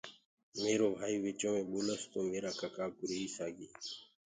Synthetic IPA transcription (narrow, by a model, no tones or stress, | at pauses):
meːɾoːbʱaːiːʋɪt͡ʃõːmẽːɓoːləst̪oːmeːɾaːkəkaːkʊɾeːiːsaːɡiː